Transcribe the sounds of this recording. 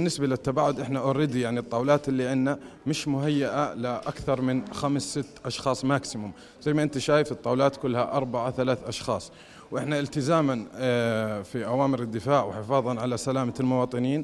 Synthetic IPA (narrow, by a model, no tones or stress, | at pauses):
ɪnːɪsbalɪt̪ːabaːʕʊd̪ʔɪħnaʔʊɾɪd̪jaʕnit̪ˤːɑːwlɑːt̪ɪlːiʕɪnːamɪʃmʊɦajːɪʔalɪʔakθɑɾˤmɪnxamsːɪt̪ːʔɑʃxɑːsˤmaksɪmʊm | zajːmaʔɪnt̪aʃaːjɪfɨt̪ˤːɑːwlɑːt̪kʊlːhaʔɑɾˤbaʕaθalaːθʔɑʃxɑːsˤ | wʔɪħnaʔɪlt̪ɪzaːman | fiʔawaːmɪɾɪd̪ːɪfaːʕwɪħɪfɑːðˤɑnʕalasalaːmalmʊwɑːt̪ˤɨniːn